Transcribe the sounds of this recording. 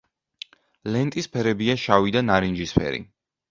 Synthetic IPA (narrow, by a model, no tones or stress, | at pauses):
lɛnt̪ʼispʰɛɾɛbiaʃavid̪anaɾind͡ʒispʰɛ̰ɾḭ